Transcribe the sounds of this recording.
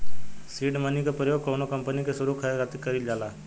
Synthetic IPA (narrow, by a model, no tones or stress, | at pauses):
siːɖmənikapɾəjoːɡ̚koːnokəmpənikesʊɾukʰəɾat̪ikəɾild͡ʒaːlaː